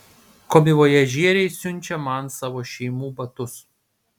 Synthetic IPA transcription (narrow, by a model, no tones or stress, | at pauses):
koːmʲɪʋoːjɛʒʲiɛɾʲɛɪsʲʊnʲˑt͡ʃʲɛmɐnsɑːʋoːʃʲɛɪmuːbɐt̪ʊs